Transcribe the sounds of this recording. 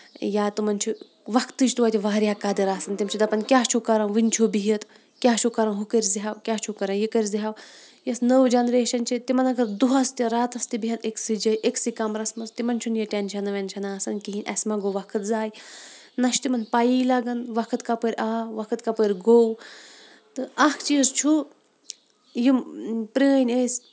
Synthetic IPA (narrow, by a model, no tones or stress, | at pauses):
jaːt̪umɐnt͡ʃʰi | ʋɐkʰt̪ɨd͡ʒt̪uʋaːt̪ʲiʋaːɾʲjakad̪ɐɾaːsɐnt̪ʲɐmt͡ʃʰid̪ɐpɐnkʲaːt͡ʃʰukaɾɐ̃nʋint͡ʃʰubiɦit̪ | kʲjaːt͡ʃʰukɐɾɐ̃nɦukəɾʲziɦawkʲaːt͡ʃʰukɐɾɐ̃njikəɾʲd͡ziɦaw | jɐsnəwd͡ʒɐnɾeːʃɐnt͡ʃʰit̪imɐnɐɡɐɾd̪uɦɐst̪ʲɐɾaːt̪ɐst̪ibiɦɐneksid͡ʒɐjʔeksikamɾɐsmɐzt̪imɐnt͡ʃʰunjɐʈʲenʃʰɐnɐʋʲenʃʰɐnaːsɐnkiɦinʲʔɐ̰sʲmaɡowʋɐkʰət̪zaːj | nɐʃt̪imɐnpajiːlaɡɐnʋɐkʰɐt̪kapəɾʲaːʋɐkʰɐt̪kapəɾʲɡow | t̪ɨɐkʰt͡ʃiːzt͡ʃʰu | jimpɾinʲɐsʲ